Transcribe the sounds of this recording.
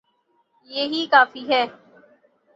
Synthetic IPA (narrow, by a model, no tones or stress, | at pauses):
jeːɦiːkaːfiɦɛː